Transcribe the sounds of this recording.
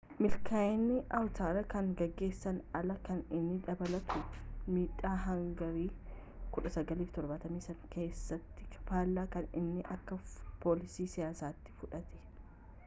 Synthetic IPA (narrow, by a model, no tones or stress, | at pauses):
mɪlkʰaɪnːɪʔɐwt̪aːɾɐkɐŋɡɐɡːe̞ːsːɐnɐlɐkɐnɪnːɪᶑɐbɐlɐt̪ʊmiːᶑːaːɦɐŋɡɐɾiː | kʊᶑɐsɐɡɐliːft̪ɔɾbɐt̪ɐmiːsɐŋke̞ːsːɐt̪ːɪkʰɐ̥faːlːaːkɐnɪ̰nːɪʔɐkːɐpoːlɪsiːsɪjaːsaːt̪ːɪ̥fʊᶑɐt̪ɛ̥